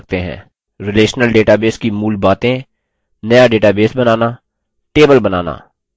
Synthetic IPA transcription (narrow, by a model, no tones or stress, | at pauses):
k̚t̪eɦɛ̰̃ː | ɾɪleːʃnəlɖeːʈaːbeːskimuːlbaːt̪ẽ | nɐjaɖeːʈaːbeːsbɐnaːnaː | ʈeːbəlbɐnaːna̰ː